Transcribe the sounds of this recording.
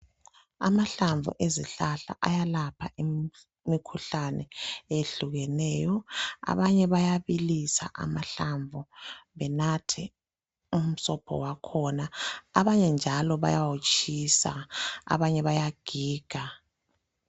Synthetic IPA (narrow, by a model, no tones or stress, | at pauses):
a̰maɬaɱvṵʔeziɬaɬa̰ʔajalapʰai | mikʰuɬanɛeɬuɣɛnɛːjɔa̰βaɲɛβajaβilisa̰ʔa̰maɬaɱvuβɛnatʰi | um̩sɔpʰɔ̰wakʰɔnaːβaɲɛnd͡ʒʱalɔβa̰jawot͡ʃʼʰisa̰a̰βaɲɛβajaɡ̥ʱiːɡ̥ʱa